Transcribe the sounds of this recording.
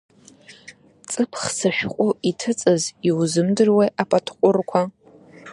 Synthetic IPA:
t͡sʼɨpʰχsɨʃᶣqʷʼʊitʰɨt͡sʼɨziwzɨmdɨrwejʔapʼatʰqʷʼʊrkʷʰa

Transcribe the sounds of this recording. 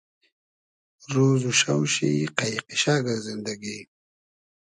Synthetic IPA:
ɾuzuʃawʃiqajiqiʃaːɡaɾzɪnd̪aɡi

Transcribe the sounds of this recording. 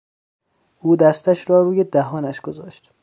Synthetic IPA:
ʔuːd̪æst̪æʃɾɒːɾuːjed̪æɦɒːnæʃɡ̥ozɒːʃt̪

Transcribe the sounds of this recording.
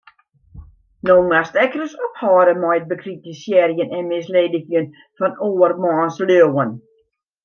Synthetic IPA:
nomastɛkrəsɔphɔːɾəmɔjt̚bəkʰritisjɛːɾjənɛnmɪsleːdəxjən | fɔnoːərmɑːnsløəwən

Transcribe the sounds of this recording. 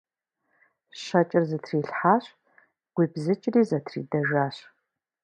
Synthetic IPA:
ɕɐt͡ʃʼɪrzɨtʰriːɬħaːɕ | ɡʷiːbzɨt͡ʃʼɪriːzɐtʰrḭːdɐʒʷaːɕ

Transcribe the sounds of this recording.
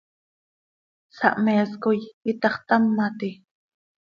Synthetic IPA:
sɑ̰ʔmɛːskojit̪ɑχt̪amːat̪i

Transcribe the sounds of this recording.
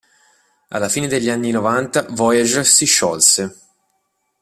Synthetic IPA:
a̰lːafiːned̪eʎːianːinovant̪avɔjad͡ʒsiʃːɔlse

